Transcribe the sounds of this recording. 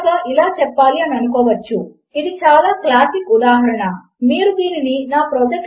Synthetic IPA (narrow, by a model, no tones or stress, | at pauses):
ɡaːʔilaːt͡ʃɛpːaːliɐnɐnukɔːʋɐt͡ʃːu | id̪it͡ʃaːlaːklaːsikud̪aːɦɐɾɐɳɐ | miːɾud̪iːnininaːpɾɔːd͡ʒɐk